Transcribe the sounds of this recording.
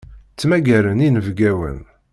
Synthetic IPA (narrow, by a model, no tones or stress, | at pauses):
t͡sːmæɡæɾəninəvɡæwə̰n